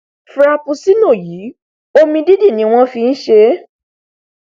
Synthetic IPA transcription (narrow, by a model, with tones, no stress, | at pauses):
fɾa˧pu˧si˦nõ˦˨ji˨˦ | o˦mĩ˧di˦di˦˨nĩ˨˦w̃ɔ̃˦fi˧n̩˦ʃe˧˦